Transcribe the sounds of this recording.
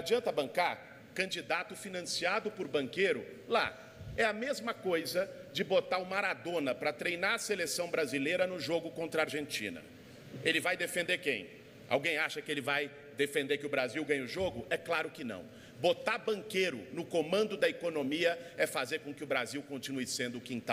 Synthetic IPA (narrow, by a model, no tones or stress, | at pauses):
ad͡ʒiɐ̃nt̪ɐbɐ̃ŋkaɾ | kɐ̃nd͡ʒid̪at̪ʊfinɐ̃siad̪ʊpʊɾbɐ̃ŋkejɾʊ | la̰ | ɛɐmezmɐkojzɐd͡ʒɪbot̪aɾʊmaɾad̪õnɐpɾɐt̪ɾejnaɾɐselesɐ̃w̃bɾazilejɾɐnʊ̃ʒoɡʊkõnt̪ɾɐaɾʒẽnt͡ʃḭ̃nɐ̰ | elɪvajd̪efẽnd̪eɾkḛ̃j̃ | a̰wɡẽj̃aʃɐkɪelɪvaj | d̪efẽnd̪eɾkɪʊbɾaziwɡɐ̃ɲ̃ʊʒoɡʊʔɛklaɾʊkɪnɐ̰̃w̃ | bot̪aɾbɐ̃ŋkejɾʊ̰nʊkomɐ̃nd̪ʊd̪ɐekonõmiɐɛfazeɾkõkɪʊbɾaziwkõnt͡ʃinuɪsẽnd̪ʊkĩt̪a